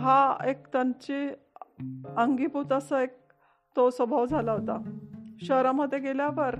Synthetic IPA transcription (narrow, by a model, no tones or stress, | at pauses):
ɦaek̚t̪ãɲt͡ɕe | əŋɡiput̪asəek̚ | t̪osəbʱaʋd͡zʱalaɦot̪aɕəɾaməd̪ʱːjeɡeljaʋəɾ